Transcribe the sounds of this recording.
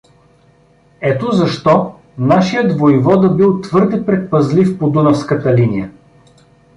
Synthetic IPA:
ɛt̪ozɐʃt̪ɔ | naʃijəd̪vojvɔd̪ɐbilˠt̪vɤɾd̪ɛpɾɛt̪̚pɐzlifpod̪unɐfskət̪ɐlinijə

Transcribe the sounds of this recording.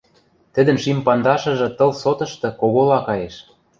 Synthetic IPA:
t̪ɘ̆d̪ə̆nʃimpɑnd̪ɑʃɤ̆ʒɤ̆t̪ɤ̆lsot̪ɤ̆ʃt̪ɤ̆koɣolɑkɑjeʃ

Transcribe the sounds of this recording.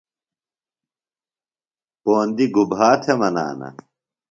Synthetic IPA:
poːnd̪iɡubɦaːt̪ʰemɐna̰ːnɐ̰

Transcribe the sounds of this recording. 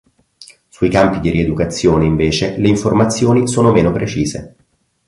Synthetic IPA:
suikampid̪irʔied̪ukat̪sːjoːneiɱveːt͡ʃeleiɱformat̪sːjoːnisoːnomeːnopɾet͡ʃiːzḛ

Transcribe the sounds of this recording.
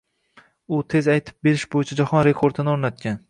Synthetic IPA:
ʊt̪ʰe̞zajt̪ʰɪ̥p̚be̞ɾɪʃbojɪt͡ʃʰad͡ʒahɒnɾe̞kʰoɾd̪ʰɪnɪoɾnat̪̚kʲan

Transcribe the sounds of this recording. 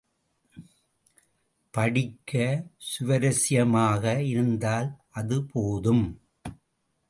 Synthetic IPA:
pɐɽɪkːɐsʊʋɐɾɐsɪjɐmaːɣɐɪɾɯnd̪aːlʔɐðɯpoːðɯm

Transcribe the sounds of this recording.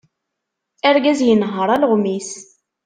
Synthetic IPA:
æɾɡæzjənɦəɾˤælʁmis

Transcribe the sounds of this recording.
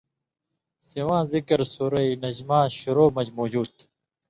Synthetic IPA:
siwãːzikɐɾsuɾɐinɐd͡ʑmãːɕuɾoːmɐd͡ʑmoːd͡ʑuːd̪

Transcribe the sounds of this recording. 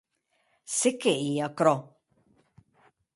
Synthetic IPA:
sɪkːɛiːjɐkɾɔ

